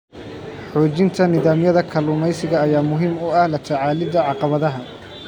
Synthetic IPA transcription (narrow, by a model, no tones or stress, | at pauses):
ħɔːt͡ʃɪnt̪ʰɐnɪðaːmjɐðɐkʰɐlʊmɛjsɪɣɐːjaːmʊɦiːmʊɐhlɐt̪ʰɐʕɑːlɪd̪ɐʕɑqɑβɐðɐɦɐ